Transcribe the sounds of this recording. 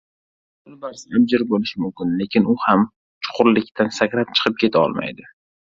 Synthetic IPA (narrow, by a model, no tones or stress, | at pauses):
bʊlbaɾsab̚d͡ʒɪɾbolɪʃmʊmkʲɪnle̞kʲʰɪnʊham | t͡ʃʰʊ̥qʰʊɾlɪkʲt̪ʰansakʲɾat̪̚t͡ʃʰɨ̥qʰɨp̚kʲʰe̞t̪ʰaɒ̰lˠma̰jd̪ɪ